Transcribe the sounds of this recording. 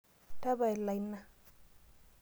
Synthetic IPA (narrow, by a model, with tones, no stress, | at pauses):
ta˦βa˨e˨la˨i˦nːa˦